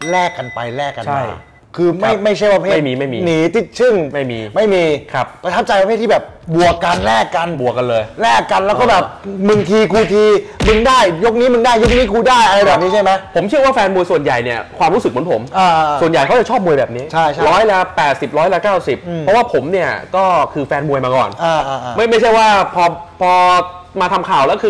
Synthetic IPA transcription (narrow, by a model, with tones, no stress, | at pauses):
lɛː˥˩kːa˧npa̰˧jlɛː˥˩kːa̰˧nt͡ɕʰa˥˩j | kʰɯː˧ma˥˧˩jma˥˩jt͡ɕʰa˥˩jwa˧˥˧pʰeː˥ma˥˩jmiː˧˩ma˥˩jmiː˧niː˨˩t̪ʰi˨˦˩t̪̚sʰɯ˥˩ŋma˥˩jmiː˧ma˥˩jmiː˧kʰɾa˦˥p̚a˧t̪ʰa˦˥p̚t͡ɕa˧jpa˧pʰeː˥˩t̪ʰi˥˩bɛː˨˩p̚ | bu˨˩əkːa˧nlɛː˥˩kːa˧nbu˨˩əkːa˧nlɤː˧jlɛː˥˩kːa˧nlɛː˦˥wkɔː˥˩bɛː˨˩p̚mɯ˨˧˩ŋk̪ʰiː˧kʰuː˧t̪ʰiː˧mɯ˧ŋdaː˥˩jjo˦˥k̚niː˦˥mɯ˧ŋdaː˥˩jo˦˥k̚niː˦˥kʰuː˧daː˥˩jʔa˧ɾa˧jbɛː˨˩p̚niː˦˥t͡ɕʰa˥˩jma˦˥jpʰo˩˦mt͡ɕʰɯ˥˩waː˥˩fɛː˧nmu˧jsu˨˩ənja̰˨˩jni˥˩ɐkʰwaː˧mɾuː˦˥sɯ˨˩mɯ˩˦npʰo˩˦mʔaː˧su˨˩ənja˨˩jkʰa˦˥wt͡ɕa˨˩t͡ɕʰɔː˥˩p̚mu˧əjbɛː˨˩p̚niː˦˥t͡ɕʰa˥˩jɾɔː˦˥jla˦˥pɛː˨˩t̪̚si˨˩p̚ɾɔː˦˥jla˦˥kaː˥˩wsi˨˩p̚ʰːɔ˦˥waː˥˩pʰo˩˦mni˥˩ɐkɔː˥˩kʰɯː˧fɛː˧nmu˧əjmaː˧kɔ̰ː˨˩nʔaː˧ʔma˥˩jma˥˩jt͡ɕʰa˥˩jwaː˥˩pʰɔː˧pʰɔː˧ | maː˧t̪ʰa˧mkʰaː˨˩wlɛː˦˥kʰɯː˧